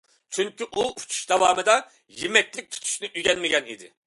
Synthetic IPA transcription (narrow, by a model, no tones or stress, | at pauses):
t͡ʃʰyŋkʲyʔuu̥t͡ʃʰu̥ʃd̪ɑwɑːmɨd̪ɑ | jimɛkʲlɪk̚ʲt̪ʰu̥t̪ʰu̥ʃnɪʔyɡʲɛnmɪɡʲɛnḭd̪ɪ̰